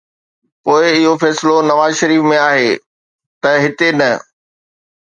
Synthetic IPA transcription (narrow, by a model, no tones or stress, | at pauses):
poːɪɪɦofɛːsɪlonɐʋaːzʃɐɾiːfmẽaːɦeː | t̪ɐɦɪt̪enɐ